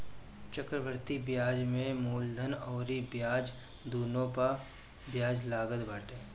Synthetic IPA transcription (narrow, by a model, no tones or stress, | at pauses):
t͡ʃəkɾəʋəɾt̪ibjaːd͡ʒmẽmuːld̪ʱənɔːɾibjaːd͡ʒ | d̪uːnõpa | bjaːd͡ʒlaːɡəd̪baːʈeː